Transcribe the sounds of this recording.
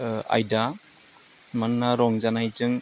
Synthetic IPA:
a̰jda | manːaɾɔŋzanajzɯŋ

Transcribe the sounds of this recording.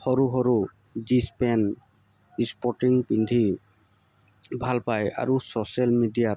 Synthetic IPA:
xɔɹuɦɔɹu | zispɛn | ispɔʈiŋpind̪ʱi | bʱalpaja̰ɹusosalmidijat

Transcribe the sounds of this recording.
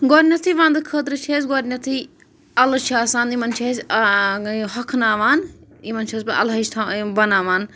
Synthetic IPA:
ɡoːɾnʲɐt̪ʰiʋãːnd̪ɨkʰəːt̪ɾɨt͡ʃʰeːzɡoːɾnɐt̪ʰi | ɐlt͡ʃʰaːsaːnimɐnt͡ʃʰɐzʲ | ɦɐkʰnaːʋaːnimɐnt͡ʃʰɐːspɐɐ̰lɐiʃt̪ʰabɐnaːʋaːn

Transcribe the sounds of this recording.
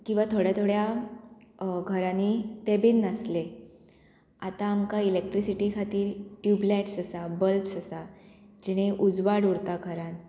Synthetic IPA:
kĩw̃ʋat̪ʰoɽjat̪ʰoɽja | ɡʱəɾanit̪ebinːasle | at̪aːmkailek̚ʈɾisiʈikʰat̪iːɾʈjublɛʈsəsabəlpsəsad͡ʑɛɽ̃eʔud͡zʋaɽuɽt̪aɡʱəɾãn

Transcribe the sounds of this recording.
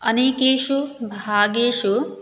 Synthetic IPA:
ɐneːkeːʃubʱaːɡeːʃu

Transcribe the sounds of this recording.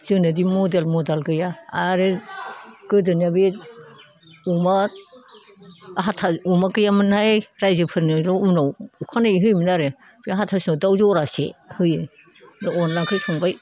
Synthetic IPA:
z̥ɯnɯdimɔdelmɔdalɡɯjaaɾe | ɡ̥ɯdɯniabi | uma | ɦatʰaumakɯjamɯnhajɾajzɯpʰɯɾnɯlɔunawukʰanaiɦɯjminaɾe | biaɦatʰasnodawzɔɾasḛhɯjɯ | daɔnlaŋkʰɯjsʰɔŋbaj

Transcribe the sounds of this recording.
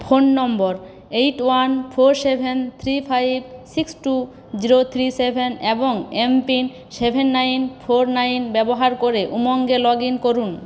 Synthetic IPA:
pʰonːɔmbɔɾ | ejʈwanpʰoɾsebʱent̪ʰɾipʰajbsiksʈu | d͡ʑiɾot̪ʰɾisebʱeneboŋempin | sebʱenːajnpʰoɾnajnbɛboɦaɾkoɾeʔumoŋɡelɔɡinkoɾun

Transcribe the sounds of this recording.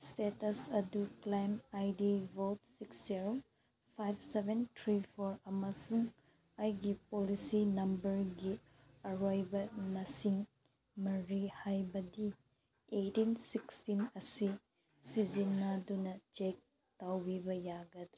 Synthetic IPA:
stetɐsɐduklajmajdivotsiksziɾo | pʰajbsebʱentʰɾipʰoɾɐmɐsuŋ | ajɡipolisinɐmbɐɾɡi | ɐɾojbɐmɐsiŋ | mɐɾihajbɐdi | etinsikstinɐsi | sizinːadunɐt͡ʃek̚ | tawbibɐjaɡɐdu

